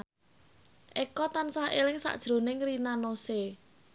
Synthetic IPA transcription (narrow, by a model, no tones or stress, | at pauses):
ʔekɔt̪ansahelɪŋsa̰ʔd̥ʒ̥ɾo̤nɪŋrinanose